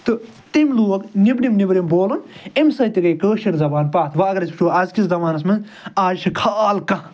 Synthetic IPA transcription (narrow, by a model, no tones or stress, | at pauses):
t̪ɨ | t̪imluːɐknibnimnibɾimboːlɐnemsɐjt̪iɡɐjkəːʃiɾzɐbaːnpaːt̪ʰʋɐɐɡɐɾɐsʲpʰt͡ʃʰuːɐzkiszɐmaːnɐsmɐnz | aːd͡ʒt͡ʃʰikʰaːlkɐ̃